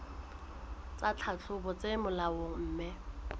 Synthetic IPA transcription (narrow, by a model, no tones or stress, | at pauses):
t͡sʼat͡ɬʰat͡ɬʰʊbɔt͡semʊlawʊm̩ːmɪ